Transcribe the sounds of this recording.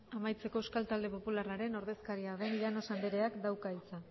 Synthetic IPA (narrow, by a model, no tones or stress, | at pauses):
amajt͡se̞ko̞eskalt̪ald̪e̞po̞pularaɾe̞no̞ɾðe̞skaɾiaðe̞niðano̞sand̪eɾe̞akd̪awkait͡sa